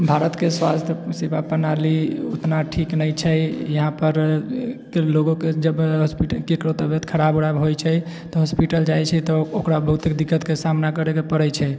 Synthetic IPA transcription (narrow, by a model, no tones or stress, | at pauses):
bʱaɾət̪keswast̪ʰəsibapənalio̰t̪naʈʰiknəjt͡ʃʰəjjəɦãpəɾkeloɡoked͡ʒəbɦɔspiʈəkekɾot̪əbet̪kʰəɾaboɽabɦojt͡ʃʰə | t̪ɔɦɔspiʈəld͡ʒajt͡ʃʰɛt̪ɔokɾabəɦut̪ekd̪ikːət̪kesamnakəɾekepəɾɛt͡ʃʰɛj